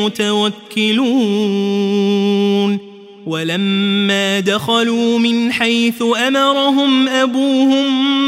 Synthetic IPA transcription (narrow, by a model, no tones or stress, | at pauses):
ʊt̪awakːɪluː | n | walamːaːd̪axaluːmɪnħajθʊʔamɑɾˤɑɦʊmʔabuːhʊm